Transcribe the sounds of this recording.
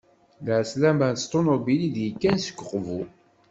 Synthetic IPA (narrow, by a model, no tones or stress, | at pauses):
lʕslæmænt̪st̪ˤːonobiliðjəkːænsə̥kʷːəqːvu